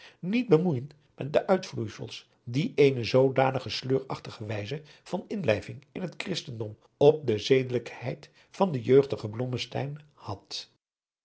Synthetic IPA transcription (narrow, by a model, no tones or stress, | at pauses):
nid̚bəmujənt | mɛt̚dəʔœɥtflujsə̰lˠs | diʔejnəzowdaːnəχəsløːɹɑχtəχəʋɛjzə | v̥ɑnɪnlɛjvɪŋɪnɦətkrɪstəndɔm | ɔp̚dəzejdələkhɛjt | fɑndəjøɥχdəχəblɔməstɛ̰jn | hɑt